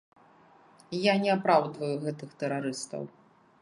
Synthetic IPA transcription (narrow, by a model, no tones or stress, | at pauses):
janʲɛapɾawd̪vɐjuɣɛt̪ɨxt̪ɛɾaɾɨst̪ɐ̰w